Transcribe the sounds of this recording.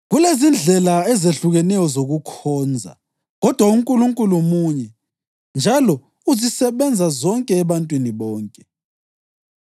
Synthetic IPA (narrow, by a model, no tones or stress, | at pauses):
ɣulezind͡ɮʱɛlaɛzeɬuɣɛnɛjɔzoɣukʰɔːnd͡zʱa̰ | ɣɔd̥ʱwauŋkʼuluŋkʼulumuɲɛ | nd͡ʒʱalɔ | uzisɛβɛnd͡zʱazɔŋkʼɛːβantʼwiniβɔːŋkʼɛ̥